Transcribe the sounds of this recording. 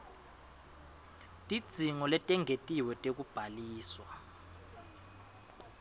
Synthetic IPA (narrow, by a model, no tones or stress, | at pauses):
tʼid̥z̥ʱiŋɔlɛtʼɛŋʱetʼiwɛtʼek̬ub̥ʱaliːswa